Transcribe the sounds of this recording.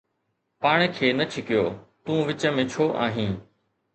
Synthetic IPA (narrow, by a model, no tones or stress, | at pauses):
paːɽ̃kʰeːnɐt͡ʃʰɪkɪjoːt̪ũːʋɪt͡ɕəmẽt͡ʃʰoːʔa̰ːɦĩː